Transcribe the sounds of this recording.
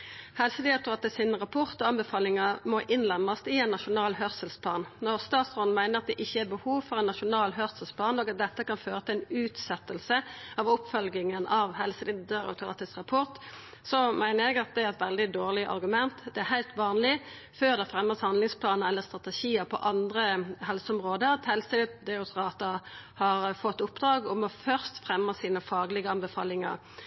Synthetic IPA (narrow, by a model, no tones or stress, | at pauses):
hɛlsəd̪ɪɑt̪ʊɾɑt̪ɛsɪnʁɑpʰɔʁt̪ɔɑnbɛfɑːlɪŋəmɔʔɪnlɛmːɑst̪ɪɛɪnːɑʃʊnɑːlɦœʁsəlspʰlɑːnnɔʁst̪ɑːt̪sʁoːd̪n̩mæɪnəɾɑt̪̚d̪ɛʔɪçːəæɾbəhuːʋfɔʁɛnːɑʃʊnɑːlɦœʁsəlsplɑːnɔːɡɑt̪̚d̪ɛt̪ːəkɑnføːɾət̪ʰɪlɛɪnʉːt̪sɛt̪ːəlsəɑʋʊpfœlɡɪŋənɑʋhɛlsəd̪ɪd̪əɑ̰t̪ʊɑ̰t̪ɛsʁɑpʰɔʁt̪ | sɔmæɪnəɾjɛɡɑt̪̚d̪ɛæɾɛt̪ʋɛld̪ɪd̪oːʁlɪʔɑ̰ɾɡʉmɛnt̪d̪ɛæɾhæɪt̪ʋɑːnlɪ | føːʁd̪ɛfɾɛmːəshɑnd̪lɪŋspʰlɑːnəɾɛlːəʁst̪ɾʁɑt̪ɛʃiːəɾpʰɔ̰ʔɑnd̪ʁəɦɛlsəɔmʁoːd̪əɾɑt̪hɛlsəd̪ɛʊsʁɑːt̪əhɑɾfɔt̪ːʊpd̪ɾɑːɡɔmɔfœʁst̪fʁɛmːəsiːnəfɑːɡlɪɡəɑnbəfɑ̰ːlɪŋə̰ʁ